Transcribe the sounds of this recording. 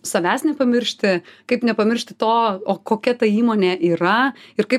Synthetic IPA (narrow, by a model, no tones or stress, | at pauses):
sɐʋʲæːsnʲɛpɐmʲɪɾʲʃʲt̪ʲɪkɐɪpnʲɛpɐmʲɪɾʲʃʲt̪ʲɪt̪oːoːkoːkʲɛt̪ɐiːmoːnʲeːʔiːɾɐɪrkɐɪp